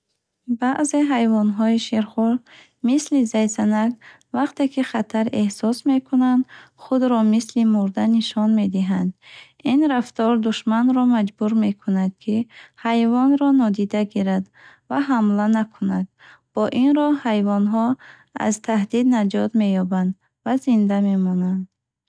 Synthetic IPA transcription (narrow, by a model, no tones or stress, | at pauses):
baʔze̞ɦajvɔnɦɔiʃeɾχul | mislizajsanaɡ | vaqt̪e̞kʰiχat̪ʰaɾe̞hsɔsme̞kʰunand̪χud̪ɾɔmislimuɾd̪aniʃɔnme̞d̪iɦand̪ | inɾaft̪ɔɾd̪uʃmanɾɔmad͡ʒbuɾme̞kʰunad̪̚kʰihajvɔnɾɔnɔd̪id̪aɡiɾad̪ | vaɦamlanakʰunad̪̚ | b̥ɔʔinɾɔhajvɔnɦɔ | a̰zt̪ʰahd̪id̪nad͡ʒɔt̪me̞jɔband̪ | vazind̪ame̞mɔnand̪